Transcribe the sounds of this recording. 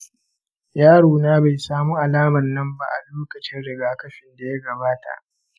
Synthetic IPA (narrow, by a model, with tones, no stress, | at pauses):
jaː˦ɽoː˨naː˦ba˨jsaː˦mu˦ʔa˨laː˦mɐ˨rːɐ˦mba̰˦˨ʔa˨loː˦kɐ˨t͡ʃɪ˦nɽɪ˨ɡaː˨kɐ˦ɸɪ˨nda˨jɐ˦ɡɐ˨baː˦ta̰˨ʔ